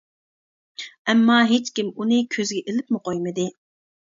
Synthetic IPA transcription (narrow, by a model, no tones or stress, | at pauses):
ɛmːɑɦet͡ʃkʲimunɨkʲʰøzɡʲɛʔelɪpmɪqʰojmɨd̪ɪ